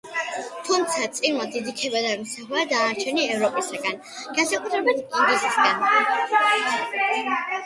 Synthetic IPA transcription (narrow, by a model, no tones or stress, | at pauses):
t̪ʰumt̪sʰat̪sʼinmad̪id̪ikʰɛbad̪amɔsaχuad̪aːɾt͡ʃʰɛniɛvɾɔpʼisaɡan | ɡ̥ansakʼut̪ʰɾɛbit̪ʰkʼɔŋɡɛsisɡan